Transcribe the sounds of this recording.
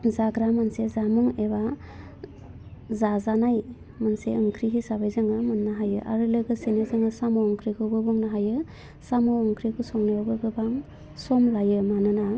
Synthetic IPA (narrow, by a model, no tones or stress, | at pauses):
zaɡɾamansezamuŋeba | zazanaj | manseɯŋkʰɾiɦisabajzaŋamɯnːaɦajɯʔa̰ɾɯlɯɡɯsenezaŋɯsamɔɔŋkʰɾikʰɯbɯbuŋnaɦajɯ | samɔːŋkʰɾikʰusɔŋnajabɯɡɯbaŋ | sɔmlajɯmanɯna